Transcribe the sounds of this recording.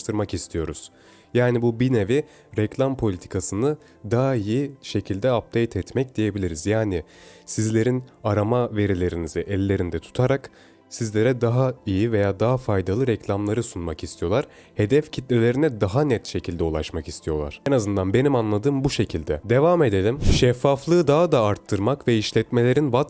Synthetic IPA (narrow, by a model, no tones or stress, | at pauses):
t̪ʰɯɾmakist̪ʰijo̞ɾuz̥ | jaːnibubinevi | ɾɛclʲampʰo̞lʲit̪ʰi̥kʰasɯnɯ | d̪aːaijiʃe̞cʰilʲd̪ɛap̚d̪ejt̪ʰɛt̪mɛc̚d̪ije̞bilʲiɾizjaːnɪsizlʲe̞ɾinaɾamave̞ɾilʲe̞ɾiniziʔɛlʲːe̞ɾind̪ɛt̪ʰu̥t̪ʰaɾak | sizlʲe̞ɾɛd̪aɦaijive̞jaːd̪aɦafajd̪alˠɯɾɛclʲamlˠaɾɯsunmakist̪ʰijo̞lˠaɾ̥ | he̞d̪ɛfcʰit̪lʲelʲe̞ɾinɛd̪aɦanɛt̪ʃe̞cʰilʲd̪ɛulˠaʃmaki̥st̪ʰijo̞lˠa̰ɾ̥ɛnazɯnd̪anbe̞nimanlˠad̪ɯːmbuʃe̞cʰilʲd̪ɛd̪e̞vame̞d̪e̞lʲimʃɛfːaflˠɯːd̪aɦad̪aːɾt̪ʰːɯɾmakvɛiʃlʲɛt̪me̞lʲe̞ɾinbat̪